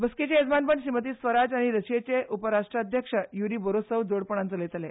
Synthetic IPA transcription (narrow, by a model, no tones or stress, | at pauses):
bəsket͡ɕeed͡zmanpəɳɕimət̪iːsʋəɾad͡zaɽ̃iɾəɕjet͡ɕeʔupəɾaʂʈɾəəd̪ʱjəkʂəjuɾiːbəɾosəʋd͡zoɽpəɽãnt͡səlet̪ale